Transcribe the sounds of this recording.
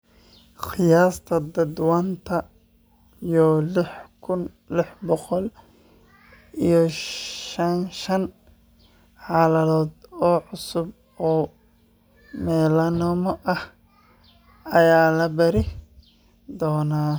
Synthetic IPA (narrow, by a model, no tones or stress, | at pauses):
xɪjaːst̪ʰɐd̪ɐd̪want̪ʰɐ | ijɔlɪħkʰʊn | lɪħbɔqɔl | ijɔʃɐnʃɐn | ħɑːlɐlɔːd̪ɔːʕʊsʊb̚ | ɔː | mɛːlɐnɔmɐʔɐh | ɐjaːlɐbɐɾɪ | d̪ɔːnaː